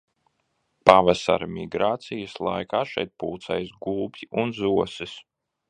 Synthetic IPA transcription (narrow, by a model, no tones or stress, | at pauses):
pavasa̰ɾmʲiɡɾaːt̪sijəslˠajkaːʃɛ̰jt̪̚puːt̪sɛjsɡuːbʲiunzuɔsis